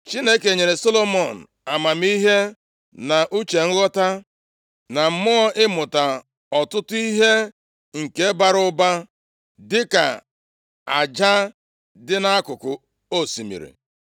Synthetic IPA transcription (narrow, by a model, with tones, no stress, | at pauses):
t͡ʃi˦ne˦ke˨ɲe˨ɾe˨so˦lo˦mɔ˨n̩˨ | a˨ma˨m˦i˦ɦe˦ | na˨ʔu˦t͡ʃe˨ŋ̩˦ɣɔ˦ta˦ | na˨m̩˦mʊ˦ɔ˦ɪ˦mʊ˨ta˨ | ɔ˨tʊ˦tʊ˦i˦ɦe˦ | ŋ̩˨ke˦ba˦ɾʊ˦ba˦ | dɪ˦ka̰˨ | a˨d͡ʒa˦ | dɪ˦na˦a˦kʊ˨kʊ˨ | o˦˨si˨mḭ˨ɾḭ˨